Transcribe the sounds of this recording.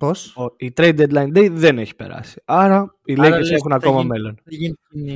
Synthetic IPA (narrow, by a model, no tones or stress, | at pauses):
posoit̪ɾejd̪ed̪lɐjnd̪ejðe̞ne̞çi̥pe̞̰ɾɐ̰si̥ɐɾɐ | ilekesexunɐko̞mɐme̞lo̞n